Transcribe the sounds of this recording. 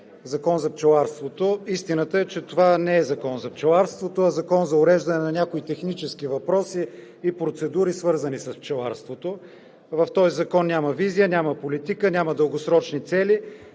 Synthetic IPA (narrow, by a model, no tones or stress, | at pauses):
zɐkɔnzɐpt͡ʃɛlˠaɾst̪vot̪oist̪inət̪əɛt͡ʃɛt̪ovanɛɛzɐkɔnzɐpt͡ʃɛlˠaɾst̪vot̪oɐzɐkɔnzɐʊɾɛʒd̪ɐnɛnɐnʲakoit̪ɛxnit͡ʃɛskivɐpɾɔsiː | pɾot̪sɛd̪uɾisvɤɾzənisəspt͡ʃɛlˠa̰ɾst̪vot̪o | vɐft̪ɔjzɐkɔnːʲaməvizijənʲaməpolit̪ikənʲaməd̪əlˠɡosɾɔt͡ʃnit̪sɛli